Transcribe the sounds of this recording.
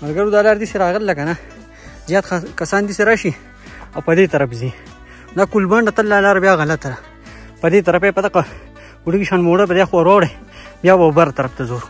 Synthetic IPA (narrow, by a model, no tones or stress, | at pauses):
mɐɾɡɐɾud̪aːlaːɾd̪iseɾaːɣəlːakɐna | zjɑːt̪kɐsaːnd̪iseɾaʃi | awpɐd̪et̪ɐɾɐfzi | d̪aːkulbɐɳɖɐt̪əlːaːlaːɾbjaːɣɐlɐt̪aɾa | pɐd̪et̪̬ɐɾɐpepɐd̪ɐqa | uɽiɡiʃaːnmoːɽapɐd̪jaxwaɾwaːwɽɐjbjaːbabɐɾat̪ɐɾɐft̪ɐzoːɾ